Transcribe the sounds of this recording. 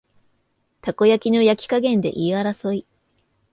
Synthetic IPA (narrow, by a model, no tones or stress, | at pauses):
t̪ako̞jakʲino̞jakʲi̥kaɡẽ̞nd̪e̞̰ʔiaɾaso̞i